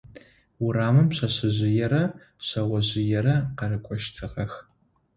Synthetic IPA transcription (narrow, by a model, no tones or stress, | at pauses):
wʊraːmɨmɕʰɐɕɨʑɪjɛɾɐ | ɕɐwɐʑɪjɛɾɐqɐrɨkʷʼɔʃtʰɨʁɐx